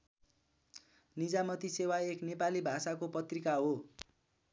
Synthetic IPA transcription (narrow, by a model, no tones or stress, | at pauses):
nid͡zamʌt̪isewaeknepalibʱasakopʌt̪rikaɦo